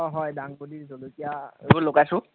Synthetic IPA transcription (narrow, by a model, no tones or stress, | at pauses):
ɔɦɔjdaŋbodiɹzolokijaebulokajsʊ̃